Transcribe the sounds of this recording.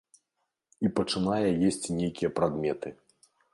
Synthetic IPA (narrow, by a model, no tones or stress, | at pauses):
ipɐt͡ʂɨnajɛjesʲt͡sʲnʲejkʲijɐpɾad̪mʲɛt̪ɨ